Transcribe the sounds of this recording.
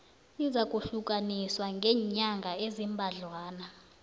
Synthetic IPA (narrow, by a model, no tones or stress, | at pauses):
izakʼuɬuk̬ʼaniswaŋɡʱɛːɲaŋɡʱaezimbʱaɮwaːna